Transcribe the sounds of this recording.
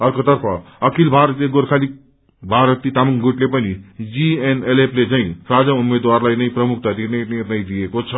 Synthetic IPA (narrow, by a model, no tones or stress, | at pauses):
ʌɾkot̪ʌɾpʰʌʌkʰilbʱaɾt̪leɡoɾkʰali | bʱaɾət̪ːit̪amuŋɡuʈlepʌnid͡zieneleplet͡saĩɾad͡zaumed̪waɾlajnʌjpɾʌmuk̚ʰt̪at̪inejenʌjd̪ijekot͡sʰʌ